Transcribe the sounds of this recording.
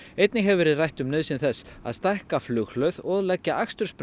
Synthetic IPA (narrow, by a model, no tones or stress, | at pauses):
ejt̪nɪɦɛvvɛːɾɪðrajht̪ʏmnɪðsɪnθɛsːa̰ðst̪ajhkaflʏxlœɥðɔðlɛcːaʔakst̪ʏɾsp